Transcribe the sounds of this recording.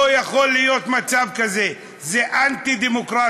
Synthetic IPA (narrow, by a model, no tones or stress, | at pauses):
ojɐxolːijoːt̪mɐt͡ʃab̚kɐze | zeʔant̪id̪imʊkɾaː